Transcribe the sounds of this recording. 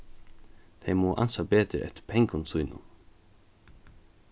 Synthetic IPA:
θʰɛjmuːʔa̰nsapeːt̪ɪɾʔɛ̰ht̪ɪ̥ɾpʰɛjŋkʊnsujnʊ̰n

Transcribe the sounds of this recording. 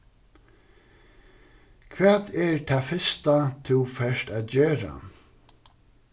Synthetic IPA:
kʰʋaːðɛɹt̪ʰaːfɪst̪at̪ʰɪwfɛʂt̪aːðd͡ʑøːɾa̰

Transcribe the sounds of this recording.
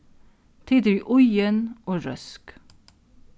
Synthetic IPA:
t̪ʰɪːd̪əɹiːʔʊjənʔoːɹœsk

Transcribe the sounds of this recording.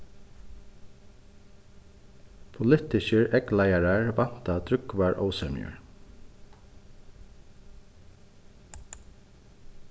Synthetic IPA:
pʰʊlɪt̪ɪçəɹɛɡlajaɾaɹʋɑn̥t̪ad̪ɾʏkvaɹʔɔ̰ːwsɛmjə̰ɹ

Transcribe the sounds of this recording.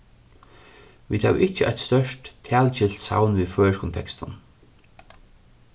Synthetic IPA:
vḭːt̪ha̰ːv̰ʔɪht͡ɕːəʔa̰jt̪st̪œʂtt̪ʰæːlt͡ɕɪl̥t̪sa̰wnviːðfœːɹəʃkʰɔnt̪ʰɛkst̪ʊn

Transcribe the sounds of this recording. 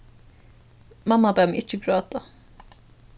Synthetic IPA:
mɑmːɑbɛmʔɪt͡ʃːəɡɾøːd̪ɑ

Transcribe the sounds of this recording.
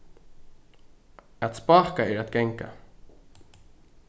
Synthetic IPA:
at̪spɑːhkaɛɾat̪ɡɛŋka̰

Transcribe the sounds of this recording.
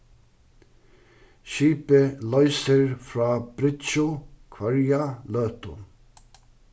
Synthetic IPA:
ʃiːpəlœʏsəɹfɾɑːb̥ɾɪt̪ʃʊkʰʋœɹjalœːt̪ʊ̰

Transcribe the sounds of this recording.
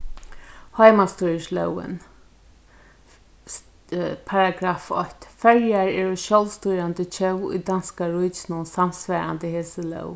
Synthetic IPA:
hɔjmast̪ɔjəʂlœ̰wɪ̰n | pʰaɹaɡɾaːfɔht̪fɛɹjaɹɛɹɔʃɔlst̪ujɾant̪ət͡ʃʰɛwʊ̰jd̪anskaɹʊjt͡ʃnʊnsamsʋɛːa̰nt̪əheːsəlœ̰w

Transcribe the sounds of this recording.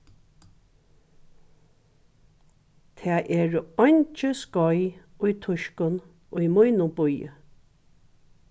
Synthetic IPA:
t̪ʰɛːʔɛːɹəɔnʲt͡ʃəskɔjʊjt̪ʰʊʃkʊn | ʊjmʊjnʊbʊjə̰

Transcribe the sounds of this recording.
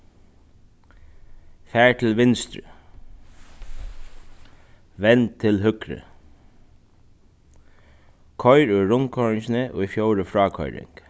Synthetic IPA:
fæːɹt̪ʰɪlʋɪnst̪ɾə̰ | ʋɛnt̪ʰːɪlɦʏkɾə̰ | kʰɔʏɾʏɾʊŋkʰɔɹɪŋsnəʔɔ̰ːfjowɾəfɾɑːkʰɔ̰ʏɾɪ̰ŋk

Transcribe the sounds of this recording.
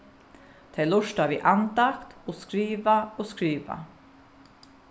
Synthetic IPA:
t̪ʰɛlʊʃtaːʋiːʔant̪akt̪oːskɾiːʋaoːskɾiːʋa̰

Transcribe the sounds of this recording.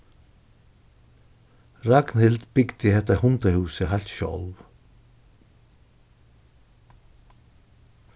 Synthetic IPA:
ɾaɡnhɪld̪bʏɡd̪̥ɪhɛt̪ːahʊnt̪ahʉːsəɦalt̪ʃɔ̰lw

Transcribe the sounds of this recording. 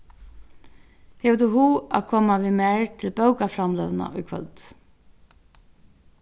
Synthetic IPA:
hɛʋd̪uɦuːa̰ːkʰɔːmaʋimæɹt̪ʰɪlbœwkafɾamlœʋna̰ʔʊjkʰvœ̰lt̪

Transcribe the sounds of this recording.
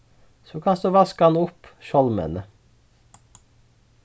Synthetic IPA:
soːkʰɑnsd̪ʉːʋɑskəɑnʊpʃɔlmə̰nə

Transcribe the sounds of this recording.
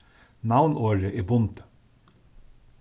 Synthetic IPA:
nɑʊnʔoːɹəʔeːbʊnd̪̥

